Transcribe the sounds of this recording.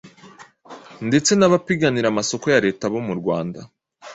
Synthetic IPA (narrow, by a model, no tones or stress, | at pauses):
nde̞t͡se̞naβapiɡaniɾamaso̞ko̞jaɾe̞ːtaβo̞muɾɡwaːnda̰